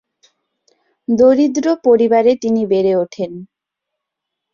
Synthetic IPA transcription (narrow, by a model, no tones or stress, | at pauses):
d̪oɾid̪ɾopoɾibaɾet̪inibeɾeoʈʰen